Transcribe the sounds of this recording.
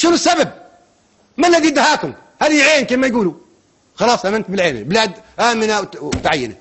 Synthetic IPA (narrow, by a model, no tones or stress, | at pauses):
ʃɪnsːabab̚ | malːaðid̪ahaːk̪ʊm | had̪iʕeːnkeːmajɡuːlu | xɑlɑːsˤʔamɪnt̪̚bɪlʕeːnbɪlaːd̪ʔaːmɪnawt̪ʕajːɪna